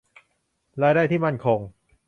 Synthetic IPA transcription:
ɾaː˧jdaː˥˩t̪ʰi˥˩ma˥˩nkʰo˧ŋ

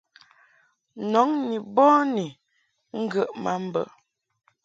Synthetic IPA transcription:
nɔ˨˦ŋni˨bɔ˦ni˨ | ŋ̩˦ɡə˦ʔma˦m̩˦bə̰˨

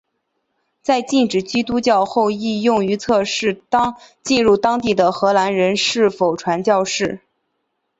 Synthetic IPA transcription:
t͡sa˥˧ɪt͡ɕi˥˩nʈ͡ʂɻ̩˨˩t͡ɕi˥t̪u˥t͡ɕjɑ˥˧ʊxo˥˧ʊi˥˧jʊ˥˩ŋy˧˥t͡sʰɤ˥˧ʂɻ̩˥˩t̪ɑ˥ŋ | t͡ɕi˥˧nɻu˥˩t̪ɑ˥ŋt̪i˥˩d̪ə˩xɤ˧˥la˧˥nɻə˧˥nʂɻ̩˥˩fo˨˩ʊʈ͡ʂʰwa˧˥nt͡ɕjɑ˥˧ʊʂɻ̩˥˩

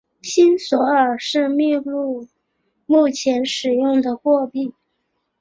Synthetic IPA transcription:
ɕi˥nswɔ˧˥ə˞˨˩ʂɻ̩˥˧mi˥˧lu˥˧ | mu˥˩t͡ɕʰjɛ˧˥nʂɻ̩˨˩jʊ˥˩ŋd̪ə˩xwɔ˥˧pi˥˩

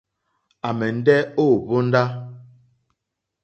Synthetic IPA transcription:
a˨mɛ˨n̩˦dɛ˦o˦˨bo˦n̩˦da˦

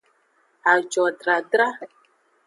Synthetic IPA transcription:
a˨d͡ʒɔ˨dɾa˨dɾa˦˨

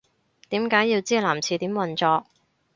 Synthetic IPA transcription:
t̪iː˨˥mkaː˨˥jːi˧wt͡siː˥laː˨˩mt͡sʰiː˧t̪iː˨˥mwɐ˨nt͡sɔː˧k̚

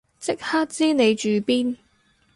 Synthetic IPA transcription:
t͡sɪ˥k̚haː˥t̚t͡siː˥ne˨˧jt͡ʃyː˨˩piː˥n

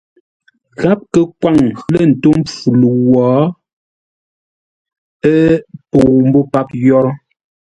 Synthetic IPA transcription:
ɣa˦p̚kə˦kwa˦˨ŋ˦lə˦˨n̩˨to˦mp͡fu˨lu˨wɔː˨˦ | ɛ˦po˨m˦bo˦pa˦p̚jɔ˦ɾɔ˦

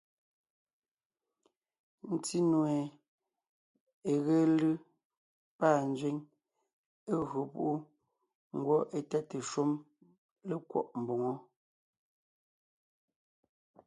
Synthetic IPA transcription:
n̩˨ti˦nwe˨ | e˨ɣe˦lɯ˦ | paː˦˨n̩˨˦d͡ʒɥe˦ŋ | e˦ɣɰo˨pṵ˦ʔu˦ | ŋ̩˦ɡwɔ˦ʔe˨tɛ˦te˨ʃu˦m | le˦kwɔ̰˦˨ʔm̩˨bo˨ŋɔ˦

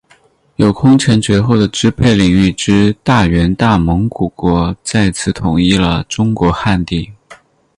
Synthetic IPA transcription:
jo˨˩ʊkʰʊ˥ŋt͡ɕʰɛ˧˥nt͡ɕɥɛ˧˥xo˥˩ʊd̪ə˩ʈ͡ʂɻ̩˥pʰe˥˩ɪli˨˩ŋy˥˩ʈ͡ʂɻ̩˥t̪a˥˩ɥɛ˧˥nt̪a˥˩mɤ˧˥ŋku˨˩kwɔ˧˥t͡sa˥˩ɪt͡sʰɹ̩˥˩t̪ʰʊ˨˩ŋi˥lə˧ʈ͡ʂʊ˥ŋkwɔ˧˥xa˥˧nt̪i˥˩

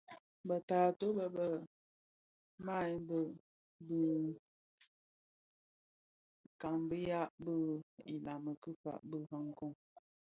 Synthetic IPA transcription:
bə˨taː˨to˦bə˨bə˨ | ma˦˨jbə˨ | bɨ˨ | ka˨ŋbɨ˦ja˦bɨ˦i˨la˨mə˨kɨ˦fa̰˨ʔbɨ˦ɦa˦ŋ˦ko˦ŋ

